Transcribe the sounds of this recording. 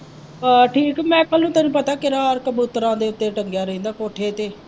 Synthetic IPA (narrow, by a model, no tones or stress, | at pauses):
əʈʰiːkmɛ̃ːkəlnũːt̪anũːpət̪aːkɪɾaːɾkəbuːt̪ɾãːd̪eːʊt̪ːeːʈəŋɡjaːɾəĩːd̪aːkoːʈʰeːt̪eː